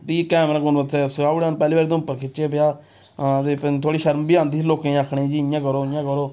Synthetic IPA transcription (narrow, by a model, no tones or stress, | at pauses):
biːkɛːmɾaːkʊnbət̪sɛːsaːɽaːnpɛːliːbaːɾiːd̪oʊpːəɾkʰɪt͡ʃeːbjaː | t̪et̪ʰoːɽiːʃəɾmbiːãːnd̪iːloːkẽːaːkʰɳẽːd͡ʒiːɪjãːkəɾoːɪjãːkəɾoː